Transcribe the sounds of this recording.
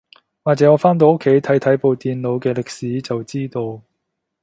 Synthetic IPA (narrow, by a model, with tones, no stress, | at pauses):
waː˨˩t͡sɛ˨˥ŋɔː˨˧faː˥nt̪̬o˨˧wʊ˥kʰːe˨˥jt̪ʰɐ˨˥jt̪ʰɐ˨˥jpo˨˧wt̪iː˨nlo˨˧wkɛː˧lɪ˨k̚siː˨˥t͡sɐ˨wt͡siː˥t̪o˧w